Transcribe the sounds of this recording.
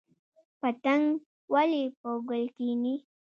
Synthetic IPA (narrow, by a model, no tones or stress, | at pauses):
pat̪aŋ | walipoɡʊlkini